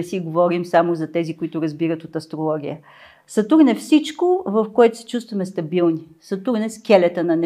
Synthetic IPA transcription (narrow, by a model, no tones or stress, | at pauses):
ɛsiɡovɔɾimsamozɐt̪ɛzikʊit̪ʊɾɐzbiɾət̪ot̪ɐst̪ɾolˠɔɡʲijə | sɐt̪uɡnɛfsit͡ʃkovɐfkoɛt̪ʊ̥sɛ̥t͡ʃust̪vɐmɛst̪ɐbilˠni | sɐt̪uɡnɛskʲɛlɛt̪ənɐnɛ